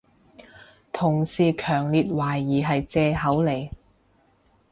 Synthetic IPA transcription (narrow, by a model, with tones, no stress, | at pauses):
t̪ʰʊ˨˩ŋsiː˨kʰœː˨˩ŋliː˨t̚waː˨˩jːiː˨˩ɦɐ˨jt͡sɛː˧ɦɐ˨˥wle˨˩j